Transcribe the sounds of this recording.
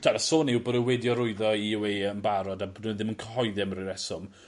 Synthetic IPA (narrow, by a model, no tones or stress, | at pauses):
d̥aɾasoːniwboːdəwɛdjɔɾʊɨðɔiɪweənbaɾɔdabodənðɪmənkʰəɦɔɨðɪmɾɪɾɛsɔm